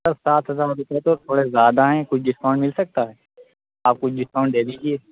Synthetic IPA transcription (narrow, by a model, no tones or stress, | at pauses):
ɐɾsaːt̪ʰɦɐzaːɾɾʊpɛt̪ot̪ʰoːɽezjaːd̪aɦɛ̃kʊt͡ʃʰɖɪskãːʊ̃ɳɖmɪlsɐk̚t̪aɦɛː | aːp̚kʊt͡ʃʰɖɪskãːʊ̃ɳɖd̪eːd̪iːd͡ʒieː